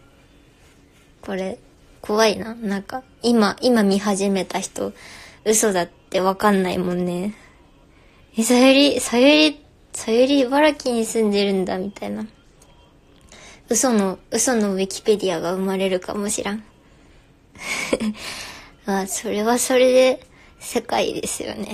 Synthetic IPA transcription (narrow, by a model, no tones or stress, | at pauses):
ko̞ɾe̞ | kʰo̞βainanãŋka | imaʔimamʲiɦaʑime̞t̪açi̥t̪oɯ̟so̞d̪at̪ːe̞βakãnːaḭmõ̞nːe̞ | isajoɾʲisajoɾʲi | sajoɾʲiβaɾakʲiɲ̟isɨ̃nd̪e̞ɾɯ̟̃nd̪amʲit̪aina | ɯ̟so̞no̞ɯ̟so̞no̞βikʲi̥pe̞d̪ʲiaɡaɯ̟maɾe̞ɾɯ̟ka̰mo̞ɕḭɾãɴ | aso̞ɾe̞βaso̞ɾe̞d̪e̞ | se̞kaḭd̪e̞̰sɨjo̞̰ne̞̰